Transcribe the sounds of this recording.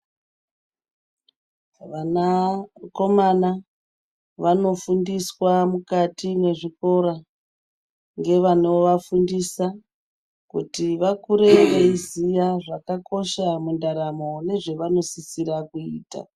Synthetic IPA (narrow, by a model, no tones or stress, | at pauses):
ʋanako̞mana | ʋano̞fundiswamukatine̞ʐiko̞ɾa | ŋɡe̞ʋano̞ʋafundisa | kutiʋakuɾe̞ʋeizijaʐakako̞ʃamundaɾamo̞ne̞ʐe̞ʋano̞sisiɾakuiːta̰